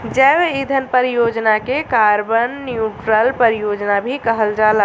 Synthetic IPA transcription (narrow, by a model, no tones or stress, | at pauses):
d͡ʒəbid̪ʱənpəɾijod͡ʒnakekaɾbənːjuʈɾəlpəɾijod͡ʒnabʱikəɦəld͡ʒala